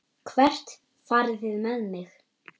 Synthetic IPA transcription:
kʰvɛr̥t̪ | faɾθɪðmɛðmɪx

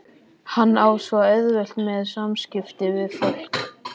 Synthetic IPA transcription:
hanːaːwsvaœðvɛl̥t̪mɛðsamscɪft̪ɪvɪðfɔl̥k

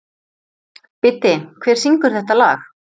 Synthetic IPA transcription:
pɪt̪ɪkʰvɛːɾ̥siŋkʏɾ̥θɛht̪ala̰ːx

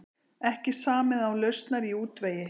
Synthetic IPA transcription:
ɛhcɪsaːmɪðawlœɥst̪naɾiuːt̪veːjɪ

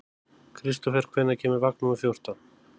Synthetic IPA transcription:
kʰɾist̪ɔfɛr̥kʰvejnacʰɛːmʏɾvak̚numʏθjowr̥t̪an

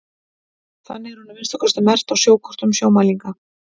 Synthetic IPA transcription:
θa̰nːɪɣɛɾ̥hunavɪnsakʰɔst̪amɛr̥t̪awsjoːwkʰɔr̥t̪ʏmsjoːwmaliŋka

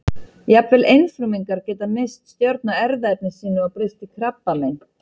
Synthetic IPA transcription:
japvɛlʔejnfɾʏmiŋkaɾcɛːt̪amejst̪st̪jœɾt̪̚naɛɾðaɛp̚nɪsiːnʏawpɾɪst̪ɪkʰɾapːalejn

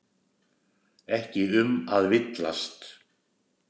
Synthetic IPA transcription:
ɛhcɪʏmaðvɪt̪la̰st̪

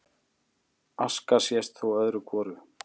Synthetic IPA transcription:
askasjɛst̪θuwœðɾʏkʰvɔːɾʏ

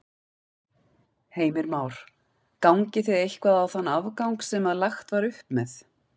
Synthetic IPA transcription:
heːjmɪɾmaːwɾ̥ | kawŋcɪθejðejhkvaðawθanːavkawŋksɛmaðlaxt̪vaɾʏhpmɛθ

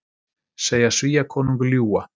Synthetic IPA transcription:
seːjasviːjakʰɔːnuŋkljuːa

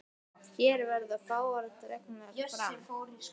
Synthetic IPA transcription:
çɛːɾvɛɾðafaːwaɾɛn̥t̪ʏɾɛk̚namɛfɾaɪfoːwɾis

